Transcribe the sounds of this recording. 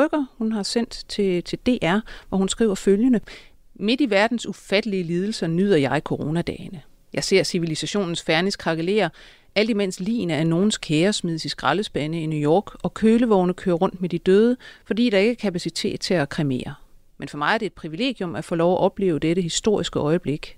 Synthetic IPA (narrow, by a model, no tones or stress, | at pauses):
œɡ̥ɐhunɦɑ̈sen̰d̥t͡sʰe̝t͡sʰe̝ld̥e̝̰ːʔæɐʋɒhunsɡ̥ʁḭʊ̰ɐføljənə | me̝d̥iʋæɐd̥n̩sufæd̥əliəliːð̞ˠl̩sɐnyð̞ˠɐjɑ̈ɪkʰoʁo̝ːnæd̥ɛ̰ːɪnə | jʔɑ̈ɪse̝ɐ̰siʋilisæɕo̝̰ːnn̩sfæɐniskʰʁɑ̈ɡ̥ele̝̰ːɐ | æl̰d̥imen̰sd̥lḭːnəæɐno̝ːn̩skʰeːɐsmið̞̰ˠsisɡ̥ʁɑləsb̥ænəinujɒ̰ːɡ̥ɒ̽kʰøːləʋɒʊnəkʰøːɐʁɔ̽n̰d̥med̥id̥øːð̞ˠəfɒ̽d̥ḭːd̥ɑ̈e̝ɡ̥æɐkʰæpʰæsit͡sʰe̝̰ːd̥t͡sʰe̝ækʰʁime̝̰ːɐ | menfɒ̽mɑ̈ɪæɐd̥e̝ːd̥̚pʰʁiʋile̝̰ːɡ̥jɔ̽mæfɔ̰ːlɒʊæʔɒ̽b̥le̝̰ːʊd̥eɾəhisd̥o̝ɐ̰isɡ̥əʔɒ̽ɪəb̥le̝ɡ̥